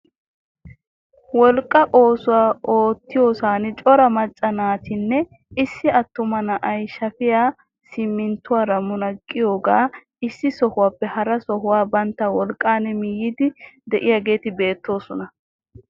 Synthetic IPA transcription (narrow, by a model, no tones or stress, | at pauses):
wɔlkʼːɐʔo̞ːsʊwaːʔoːt̪ːɪjo̞ːsaːnɪt͡ʃʼɔɾɐmɐt͡ʃʼːɐnaːt̪ɪnːɛ | ɪsːɪɐt̪ːʊmɐnɐʔɐjʃɐfɪjaː | sɪmːɪnt̪ːʊwaːɾɐmːʊnɐkʼːɪjo̞ːɡaː | ɪsːɪsɔhʊwaːpːɛhɐɾɐsɔhʊwaːbɐnt̪ːɐwɔlkʼːaːnɛmɪjːɪd̪ɪd̪ɛʔɪjaːɡe̞ːt̪ɪbe̞ːt̪ːo̞ːsɔnɐ